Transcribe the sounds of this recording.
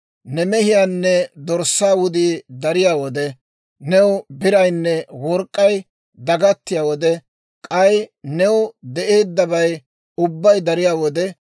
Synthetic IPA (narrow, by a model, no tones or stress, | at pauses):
nɛmɛhɪjaːnːɛd̪ɔɾsːaːwʊd̪iːd̪ɐɾɪjaːwɔd̪ɛ | nɛwbɪɾɐjnːɛwɔɾkʼːɐj | d̪ɐɡɐt̪ːɪjaːwɔd̪ɛ | kʼɐjnɛwd̪ɛʔeːd̪ːɐbɐj | ʊbːɐjd̪ɐɾɪjaːwɔd̪ɛ